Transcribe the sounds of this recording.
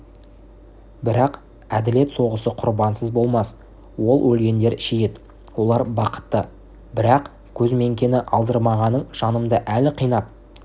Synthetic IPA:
bɪɾɑq | æd̪ɪle̞t̪so̞ʁəsəqʰʊɾbɑnsəzbo̞lˠmɑs | wo̞lˠwɵlɡʲe̞nd̪e̞ɾʃejet̪ | wo̞lˠɑɾbɑqə̥t̪ːə | bɪɾɑq | kʲʰɵzme̞ŋkʲe̞nɪʔɑlˠd̪əɾmɑʁɑnːəɴʒ̥ɑnəmd̪əʔælɪqʰijnɑp̚

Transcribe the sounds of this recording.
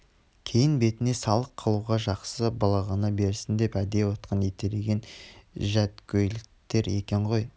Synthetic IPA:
kʲʰe̞jɪnbe̞t̪ɪne̞sɑlˠəqʰːəlˠuʁɑʒɑqsəbɑlˠɑʁɑnɑbe̞ɾsɪnd̪e̞pæd̪e̞wot̪qʰənet̪eɾeɡʲe̞nʒæt̪kʲʰɵjlɪk̚t̪e̞ɾe̞kʲe̞ɴʁo̞j

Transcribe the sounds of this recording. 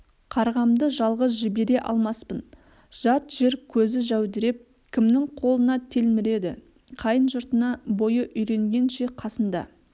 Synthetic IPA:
qʰɑɾʁɑmd̪əʒɑlˠʁəs̬ʒɪbe̞ɾe̞ʔɑ̰lˠmɑspən | ʒ̥ɑt̪ʒ̥eɾkʲʰɵzɪʒæwd̪ɪɾe̞p̚ | kʲʰɪmnɪŋqʰo̞lˠənɑt̪ʰe̞lmɪɾe̞d̪ɪ̰ | qʰɑjənʒʊɾt̪ənɑbo̞jəʔʏjɾe̞ŋɡʲe̞nʃe̞qʰɑsənd̪ɑ̰

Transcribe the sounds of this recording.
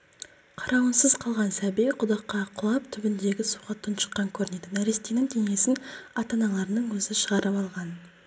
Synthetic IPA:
qʰɑɾʔɑwənsəzqʰɑlˠʁɑnsæbejqʰʊd̪ɑqːɑqʰʊlˠɑp̚t̪ʰʏbɪnd̪e̞ɡʲɪsu̥qɑt̪ːənʃə̥qːɑŋkʲʰɵɾɪne̞d̪ɪnæɾest̪enɪŋt̪ʲʰeŋe̞sɪnɑt̪ɑnɑlˠɑɾnəɴwɵzɪʃəʁɑɾəpɑlˠʁɑn

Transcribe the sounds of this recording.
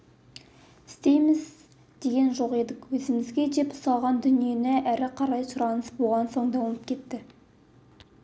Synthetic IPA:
ɪst̪e̞jmɪz | d̪̥e̞ɡʲe̞nʒo̞qe̞d̪ɪkʲwɵzɪmɪzɡʲe̞d͡ʒe̞pʊ̥sɑlˠʁɑnd̪ʏnije̞nɪʔæɾɪqʰɑɾɑjsʊɾɑnəsbo̞lˠʁɑnso̞ɴd̪ɑwənəp̚kʲʰe̞t̪ːɪ

